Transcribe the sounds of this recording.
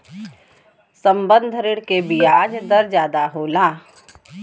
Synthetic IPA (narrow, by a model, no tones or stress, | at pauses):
sɐ̃mbə̃nd̪ʱəɾɪɽkebiaːd͡ʒd̪ɐɾd͡ʒjaːd̪aɦoːlaː